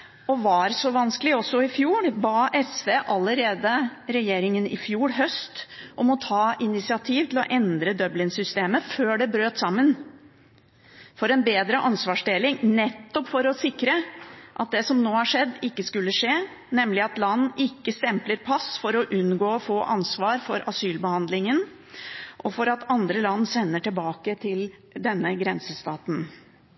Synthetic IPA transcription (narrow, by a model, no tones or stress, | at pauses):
ɔʋɑɾsɔʋɑnskəlɪɔsːɔɪfjuːɾbɑːʔɛsʋeːʔɑlːəɾeːd̪əɾɛjeːɾɪŋənɪ̰fjuːɾɦœst̪ʔɔmɔt̪ʰɑːʔɪnɪsɪɑt̪ʰiːʋt̪ʰl̩ɔ̰ʔɛnd̪ɾəd̪œblɪŋsʏst̪eːməføːɖɛbɾøːt̪sɑmːən | fɔɾɛnbeːd̪ɾəʔɑnsʋɑːʂd̪eːlɪŋnɛt̪ːɔpfɔɾɔsɪkːɾəʔɑt̪̚d̪ɛsɔmnoːhɑʂɛd̪ːɪkːəskʉlːəʂeː | nɛmlɪɑt̪lɑnːʔɪkːəst̪ɛmpləɾpʰɑsfɔɾɔʔʉnɡoːɔfoːʔɑ̰nsʋɑːɾfɔɾʔɑsyːlbəhɑnd̪lɪŋən | ʔɔfɔɾɑt̪ɑnd̪ɾəlɑnːsɛnːəʈɪlbɑːkət̪ʰɪl | d̪ɛnːəɡɾɛnsəst̪ɑːt̪n̩